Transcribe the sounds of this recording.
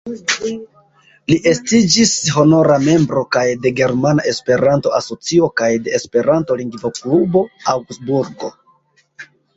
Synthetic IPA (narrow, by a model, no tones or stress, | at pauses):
liʔe̞stid͡ʒisho̞no̞ɾame̞mbɾo̞kajde̞ɡe̞ɾmanaʔe̞spe̞ɾanto̞aso̞t͡sio̞kajde̞ːspe̞ɾanto̞liŋɡvo̞klubo̞awɡsbuɾɡo̞